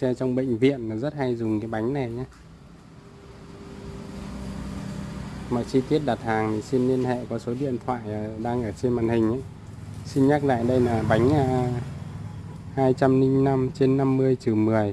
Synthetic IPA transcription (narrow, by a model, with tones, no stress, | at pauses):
sɛ˧t͡ɕɔ˧wŋ͡mɓə̰˧˨jŋ̟vḭ˧˨ənnɔ˨˦zə˦˥t̚ha˧jzʊ˨˩ŋ͡mkaː˨˦jɓa˨˦jŋ̟na˨˩jɲaː˧ | mɔ̰˧˨jt͡ɕi˧t̪i˦˥ət̚ɗaː˨˩t̚haː˨˩ŋt̪ʰi˨˩si˧nli˧ənhɛ̰˧˨kɔ˨˦so˨˦ɗḭ˧˨ənt̪ʰwa̰ː˧˨jʔːɗaː˧ŋʔəː˧˩t͡ɕe˧nmaː˨˩nhï˨˩ŋ̟ʔə˧˦j | si˧nɲaː˦˥k̚la̰ː˧˨jɗə˧jlaː˨˩ɓa˨˦jŋ̟ʔaː˧˩ | haː˧jt͡ɕa˧mnï˧ŋ̟na˧mt͡ɕe˧nːa˧mːɨ˧əjt͡ɕi˨˩wmɨ˨˩əj